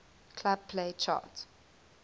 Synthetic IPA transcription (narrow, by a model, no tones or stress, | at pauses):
kʰlab̚pʰleɪt͡ʃʰa̰ːt